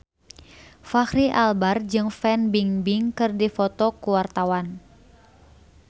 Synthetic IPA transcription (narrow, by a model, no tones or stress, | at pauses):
fahɾiʔalbard͡ʒɨŋfɛnbiŋbiŋkɨrdifɔt̪ɔkuwart̪awan